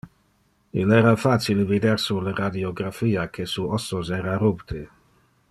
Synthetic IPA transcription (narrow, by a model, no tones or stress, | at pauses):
ilɛːɾafat͡silevid̪eɾsuleɾad̪ioɡɾafiːakʰesuɔsosɛːɾaɾupt̪ʰe